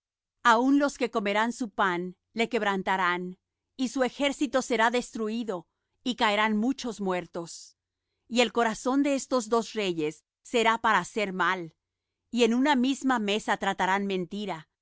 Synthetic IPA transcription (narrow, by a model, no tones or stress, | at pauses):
aunlo̞ske̞ko̞me̞ɾansupan | le̞ke̞β̞ɾant̪aɾan | isue̞xe̞ɾsit̪o̞se̞ɾaðe̞st̪ɾuiðo̞ | ikaeɾanmut͡ʃo̞zmwe̞ɾt̪o̞s | ie̞lko̞ɾaso̞nd̪e̞est̪o̞zðo̞sre̞ʝe̞sː | e̞ɾapaɾaːse̞ɾmal | ie̞nunamizmame̞sat̪ɾat̪aɾanmẽ̞nt̪iɾa